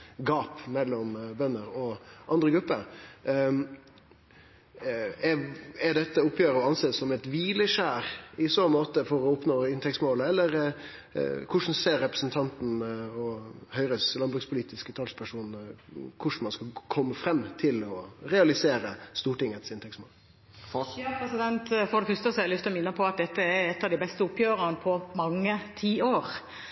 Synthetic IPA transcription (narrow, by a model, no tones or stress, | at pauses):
ɡɑːpmɛlːɔmbœnːəɾɔʔɑnd̪ɾəɡɾʉpːəɾ | ɛɛɖɛt̪ːəʊpjøːɾəɔɑnseːssɔmɛt̪ʋiːləʂæːɾɪsɔmoːt̪əfɔɾɔʊpnoːɪnt̪ʰɛkst̪moːləɛlːəɾ | kʰʊʂn̩seːɾɛpɾəsn̩t̪ʰɑnt̪n̩ɔhœʏɾəslɑnbɾʉkspʰʊliːt̪ɪskət̪ʰɑlspʰæʂuːnn̩kʰʊʂn̩mɑnskɑkʰɔmːəfɾɛmːt̪ʰɪlɔɾɛɑlɪseːɾəst̪uːʈɪŋːət̪sɪnt̪ʰɛksmoːl | pɾɛsɪd̪ɛnt̪foːd̪ɛfʉst̪əsɛlʏst̪ɪlɔmɪnːəpʰɔɑt̪̚d̪ɛt̪ːəɛɾɛt̪ːɑʋd̪ɪbɛst̪əʊpjøːɾənəpʰɔmɑŋːət̪ʰiːoːɾ